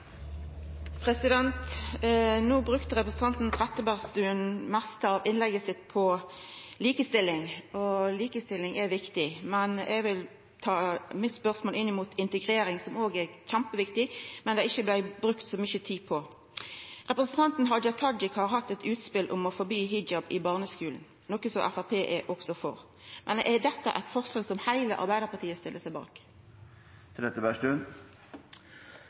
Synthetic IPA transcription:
pʰʁɛsɪd̪ɛnt̪ | nuːbʁʉkt̪əʁɛpʁəsn̩t̪ʰɑnt̪n̩t̪ʰʁɛt̪ːəbæʁst̪ʉːənmɛst̪əɑʋɪnlɛɡəsɪt̪ːpʰɔ | liːkəst̪ɪlːɪŋɔliːkəst̪ɪlːɪŋʔɛʋɪkt̪ɪmɛnʔɛɡʋɪl | t̪ʰɑːmɪt̪spœʁsmoːlɪnːɪmuːt̪ʰɪnt̪əɡʁeːɾɪŋsɔmoːɡɛçæmpəʋɪkt̪ɪmɛnd̪ɛɪçːəblæɪbɾʉkt̪sɔmʏçət̪ʰiːpʰɔ | ʁɛpɾəsənt̪ʰɑnt̪n̩ɦɑd̪jɑt̪ʰɑd͡ʒɪkhɑʁɦɑt̪ːɛt̪ʰʉːt̪spɪlʔʊmɔfɔbyːɦɪd͡ʒɑbɪbɑːʁnəskʉːln̩ | nɔkːəsɔʔæfɑʁpʰeːʔɛʔɔksɔfɔ̰ʁ | mʔɛnd̪ɛʔɛd̪ɛt̪ːə̰ʔæ̰ɪt̪fɔʁslɑːɡsɔmhæɪlə̰ʔɑ̰ɾbæɪd̪əʁpʰɑt̪iːəst̪ɪlːəsæɪbɑ̰ːk | t̪ʰɪlɛt̪ːəbæʂʈʉn

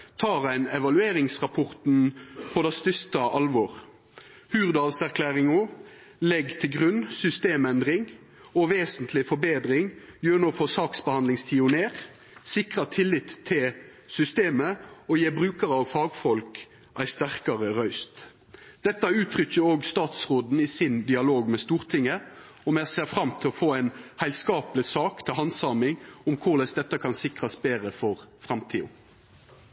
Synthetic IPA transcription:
t̪ʰɑːʁæɪnɛʋɑlʉeːɾɪŋsʁɑpʰɔʁt̪n̩pʰɔd̪ɛst̪ʏst̪ɑʔɑlʋɔːʁ | hʉːʁd̪ɑːlsæʁkʰlæːʁɪŋɔ | lɛɡt̪ʰɪlɡʁʉnsʏst̪eːmɛnd̪ʁɪŋ | ɔʋeːsənt̪ʰlɪfɔɾbeːd̪ɾɪŋjøːʁnoːfɔsɑːksbəhɑnd̪lɪŋst̪ʰɪːʊneːʁ | sɪkʁɑt̪ʰɪlːɪt̪ʰːɪl | sʏst̪eːməɔjeːbɾʉːkəɾəɑʋfɑːɡfɔlk | ʔæɪst̪æʁkɑʁəʁœʏst̪ | d̪̥ɛt̪ːɑʉːt̪ʰʁʏçəɾoːɡst̪ɑːt̪sʁoːd̪n̩iːsɪnd̪ɪɑloːɡmɛst̪uːʁt̪ʰɪŋːə | ɔmæseːfʁɑmt̪ʰɪlɔfoːæɪnhæɪlskɑːplɪsɑːkt̪ʰɪlhɑnsɑːmɪŋʊmkʰʊʁlɛsd̪ɛt̪ːɑkʰɑnsɪkʁɑsbeːɾəfɔʁfʁɑmt̪ʰiːʊ̰

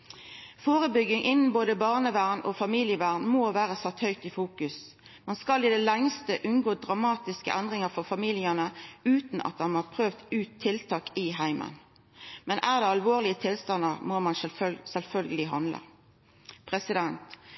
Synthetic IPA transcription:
foːʁəbʏɡɪŋʔɪnn̩boːd̪əbɑːʁnəʋæːʁno̰ːfɑmiːlɪəʋæːʁnmoːʋæːʁəsɑt̪hœʏk̚t̪ɪfuːkʉs | mɑnskɑlɪd̪ɛlɛŋst̪əʔʉnɡoːd̪ʁɑmɑːt̪ɪskə̰ʔænd̪ʁɪŋəʁfɔʁfɑmiːlɪənəʉːt̪n̩ɑ̰t̪̚dɑnɑʁpʰʁøːʋd̪ʉːt̪ʰːɪlt̪ʰɑːkɪɦæɪmə̰n | mɛnʔæːʁd̪ɛːɑlʋoːʁlɪət̪ʰɪlst̪ɑnːəʁmoːmɑnɛsɛlfœlɡəlɪɦɑnlə̰ | pʰʁɛsɪd̪ɛnt̪

